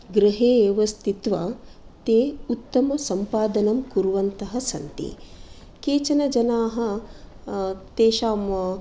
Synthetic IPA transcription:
ɡɾɐɦeːjjɐʋɐst̪ʰit̪ʋɐt̪eːut̪ːɐmɐsɐmpaːd̪ɐnɐmkuɾuʋɐnt̪ɐɦɐsɐnt̪ḭ | keːt͡ʃɐnɐd͡ʒɐnaːɦɐ̆ | t̪eːʃaːm

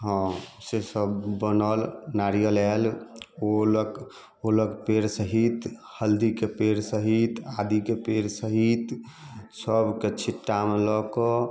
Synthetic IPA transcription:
ɦɔ̃sesəbːənəlnaɾijəlɛlolk | oləɡpeɾsəɦit̪həld̪ikepeɾsəɦit̪ad̪ikepeɾsəɦit̪ | səbʱket͡ʃʰiʈːamelɔkɔ

